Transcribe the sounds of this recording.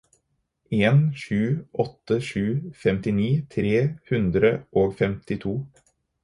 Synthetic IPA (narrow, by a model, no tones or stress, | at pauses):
eːnʃʉːʔɔt̪ːəʃʉːfɛmt̪ɪniːt̪ʰɾeːhʉnd̪ɾəʔoːɡfɛmt̪ɪt̪ʰuː